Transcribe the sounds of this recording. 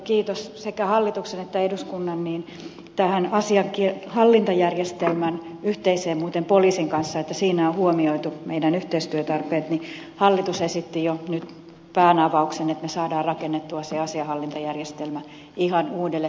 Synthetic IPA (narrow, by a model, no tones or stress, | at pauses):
kiːt̪ossekæhɑlːit̪uksenet̪ːæeduskunːɑnniːn | t̪æhænɑsiɑkihɑlːint̪ɑjærjest̪elmæn | yht̪eiseːmmuːt̪empoliːsiŋkɑnsːɑet̪ːæsiːnæohuomioit̪umeidænyht̪eist̪yøt̪ɑrpeːt̪ni | hɑlːit̪usesit̪ːijonyt̪ | pæːnɑʋɑuksenet̪mesɑːdɑːrrɑkenːet̪ːuɑseɑsiɑhɑlːint̪ɑjærjest̪elmæ | ihɑnuːdelːe